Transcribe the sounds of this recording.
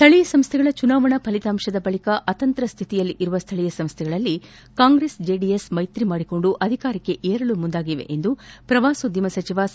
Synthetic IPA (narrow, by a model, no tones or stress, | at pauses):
st̪ʰɐɭijɐsɐmst̪ʰɛɡɐɭɐt͡ʃunaːʋɐɳɐpʰɐlit̪aːmʂɐd̪ɐbɐɭikɐʔɐt̪ɐnt̪ɾɐst̪ʰit̪ijɐlːiʔiɾuʋɐst̪ʰɐɭijɐsɐmst̪ʰɛɡɐɭɐlːi | kaːŋɡɾeːsd͡ʒeːɖijesmɐjt̪ɾimaːɽiko̞ɳɖuʔɐd̪ʱikaːɾɐkːe̞ʔeːɾɐɭumund̪aːɡiʋe̞̰ʔend̪upɾɐʋaːsod̪imɐsɐt͡ʃiʋa